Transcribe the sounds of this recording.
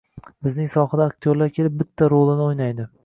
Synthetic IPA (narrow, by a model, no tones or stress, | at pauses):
bɪznɪŋsɒhad̪aːkt̪ʰijoɾlaɾkʲʰe̞lɪp̚bɪt̪ʰːaɾolˠɪnɪojnajd̪ɪ